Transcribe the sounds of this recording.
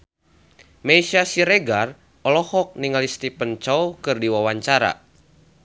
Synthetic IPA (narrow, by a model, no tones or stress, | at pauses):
meisasiɾeɡar | ɔlɔhɔk̚niŋalist̪ipənt͡ʃɔwkɨrdiwawaɲt͡ʃaɾa̰